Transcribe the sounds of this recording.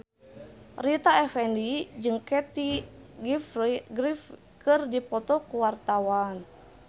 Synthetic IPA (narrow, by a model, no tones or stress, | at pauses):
rit̪aɛfɛndid͡ʒɨŋkɛt̪iɡifiɡɾif | kɨrdipɔt̪ɔkuwart̪awan